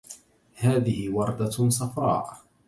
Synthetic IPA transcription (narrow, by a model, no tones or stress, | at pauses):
haːðɪhɪwɑɾˤd̪asˤɑfɾˤɑ̰ːʔ